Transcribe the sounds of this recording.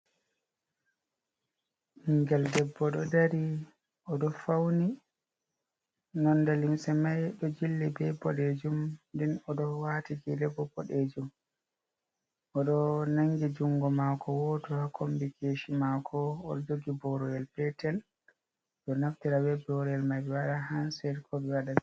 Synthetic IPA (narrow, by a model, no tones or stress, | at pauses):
hiŋɡɛldɛbːɔɗɔdaɾi | ʔɔɗɔfawni | nɔnːdalimsɛmajɗɔd͡ʒilːibɛbɔɗed͡ʒumndinɔɗɔwatiɡilɛbɔbɔɗed͡ʒum | ʔɔɗɔnaŋɡid͡ʒuŋɡɔmakɔwɔtɔhakʰombikʰeʃimakʰɔːɗɔd͡ʒoɡibɔɾɔjɛlpɛtɛl | ɗɔnaftiɾawɛbɛɔɾɛlmajbɛwaɗaɦansɛɾkʰɔbɛwaɗa